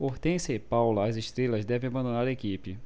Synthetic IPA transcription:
oht̪ẽsɐpawlɐɐzɪʃt̪ɾelɐzd̪ɛvẽabɐ̃d̪onaɾɐekipɪ

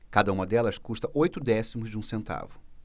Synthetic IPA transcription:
kad̪ɐũmɐd̪ɛlɐskuʃt̪ɐʔojt̪ʊd̪ɛsimʊzd͡ʒɪũsẽnt̪a̰vʊ

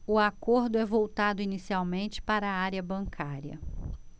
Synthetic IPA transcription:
ʊakoɾd̪ʊɛvowt̪ad̪ʊinisiawmẽnt͡ʃɪ̥paɾɐaɾiɐbɐ̃ŋkʰaɾiɐ̰

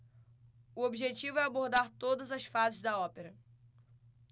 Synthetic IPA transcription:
ʊobiʒet͡ʃivʊɛaboɾd̪aɾt̪od̪ɐzɐsfazɪzd̪ɐɔpeɾɐ

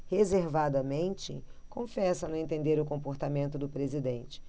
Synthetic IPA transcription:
hezeɾvad̪ɐmẽnt͡ʃɪkõfɛsɐnʊ̃ẽnt̪ẽnd̪eɾʊkõmpoɾt̪amẽnt̪ʊd̪ʊpɾezid̪ẽnt͡ʃɪ̥

